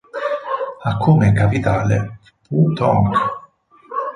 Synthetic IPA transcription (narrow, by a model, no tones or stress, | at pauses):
akʰːumekapit̪aːlḛ | put̪ɔ̰ŋk